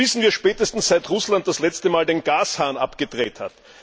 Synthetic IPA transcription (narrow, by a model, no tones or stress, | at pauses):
ɪsn̩viːɐʃpɛːtəstn̩sz̥aɪtʁʊslant̚d̥aslɛt͡stəmaːldeːnɡaːshaːnʔa̰pɡ̥ədʁeːthat